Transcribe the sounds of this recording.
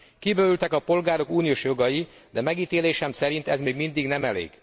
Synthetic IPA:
kibøːylt̪ɛkɒpo̞lɡaːɾo̞kuːnijoʃjo̞ɡɒji | d̪ɛmɛɡiːt̪eːleːʃɛmsɛɾint̪ɛzmeːɡmind̪iɡnɛmɛlḛːɡ̥

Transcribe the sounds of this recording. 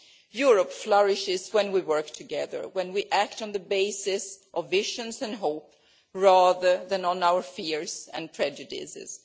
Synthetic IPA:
juɹəpflʌɹɪʃɪzwɛ̃nwiwɜ˞ktʰɨɡɛðə̰˞wɛ̃nwiʔæk̚tnðəbeɪsɪsʔɔvːɪʃə̃nzɨ̃nɦoʊp̚ | ɹaðə˞ðæ̃nə̃nawə˞fiɹzɨ̰̃npʰɹ̥ɛd͡ʒɨdɪ̰sɪ̰z̥

